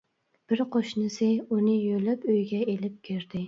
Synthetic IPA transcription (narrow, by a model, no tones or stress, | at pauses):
b̥ɪɾqʰoʃnɪsɪunɪjølɪpøjɡʲɛelɪp̚kʲʰeɾd̪ɪ